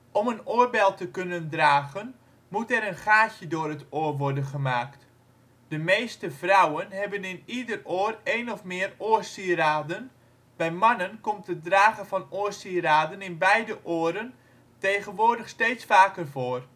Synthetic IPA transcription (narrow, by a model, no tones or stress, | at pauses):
ʔɔmənoːərbɛlˠtəkønəndraːɣən | mutɛɾənχaːçədʊərətoərʋɔrdənχəmaːkt | d̥əmejstəv̥rawənɦɛbənɪnidəroəreːnɔfmɪːəroːərsiəraːdən | bɛjmanənkɔmtədraːɣəvɑnoərsiraːdənɪnbɛjdəʔoːəɾən | teːɣənʋoːrdəxsteːtsfaːkərvoːər